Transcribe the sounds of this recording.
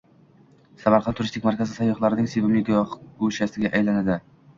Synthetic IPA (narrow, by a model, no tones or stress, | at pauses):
samaɾqɑnt̪ʊɾɪst̪ɪkʲmaɾkʲazɪsajːɒχlˠaɾɪnɪŋsebɪmɪɡʲɡuʃasɪɡʲaʔajlanad̪ɪ